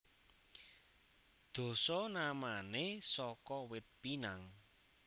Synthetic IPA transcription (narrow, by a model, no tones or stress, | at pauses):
d̪̥o̤sɔnamanesɔkɔwɪt̪̚pinaŋ